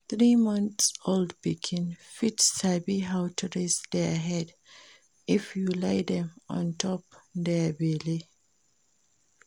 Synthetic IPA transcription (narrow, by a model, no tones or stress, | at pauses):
θɹimʌ̃nθsoldbikʰɪ̃nfitsabiɦawtʰuɹesd̪ɛɦɛd | ʔifjulaɪdɛ̃mɔ̰̃ntʰɔpd̪ɛbeli